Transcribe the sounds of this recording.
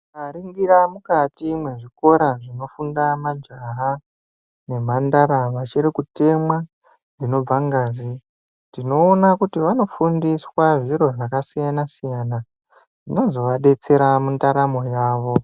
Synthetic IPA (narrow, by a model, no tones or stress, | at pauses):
aɾiŋɡiɾamukatimwe̞ʐiko̞ɾaʐino̞fundamad͡ʒaɦa | ne̞m̤andaɾaʋat͡ʃirikute̞mwa | d͡zino̞b͡vaŋɡaːzi | tino̞ːnakutiʋano̞fundiswaʐiɾo̞ʐakasijanasijana | ʐino̞zo̞ʋaɗe̞t͡se̞ɾamundaɾamo̞jaːʋo̞